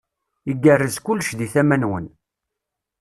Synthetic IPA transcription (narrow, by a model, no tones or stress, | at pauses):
iɡːərːəzkʊlːʃðiθæmænwə̰n